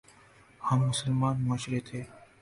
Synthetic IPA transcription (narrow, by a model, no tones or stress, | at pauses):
hamːʊsəlmaːnməʃɾeːt̪ʰeː